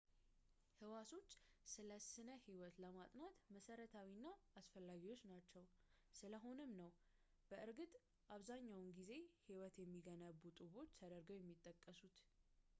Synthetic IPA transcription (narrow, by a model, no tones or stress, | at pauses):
hɨwaso̞t͡ʃːsɨləsɨnəhiwɔt̪ləmat̪ʼnat̪məsəɾət̪ʰawinːaasfəlːaɡiwo̞t͡ʃːnat͡ʃːɛwsɨləɦo̞nɨmnəw | b̥əʔɨɾɡɨt̪ʼ | ʔaβzaɲːawnɡize̞hiwɔt̪jɛmːiɡənəβːut̪ʼɨβo̞t͡ʃːt̪ʰəd̪əɾɡəwjɛmːit̪ʼːəkʼːəsut̪